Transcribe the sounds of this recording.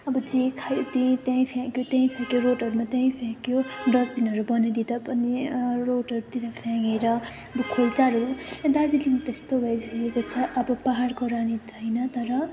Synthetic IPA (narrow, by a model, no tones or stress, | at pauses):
ʌbʌd͡zikʰajot̪ĩt̪jaĩpʰãkjot̪jãj̃pʰakjoɾoʈʌɾumat̪jãĩpʰãkjoɖʌd͡zbʱinʌɾubʌned̪id̪apʌniroʈʌɾut̪iɾʌpʰaŋɡeɾʌ | ʌbʌkʰolt͡saɾujẽnd̪ad͡zilimʌt̪est̪obʱʌesʌkekot͡sʰʌʔʌbʌpaɦaɽkoɾanid̪ʱʌjnʌt̪ʌɾʌ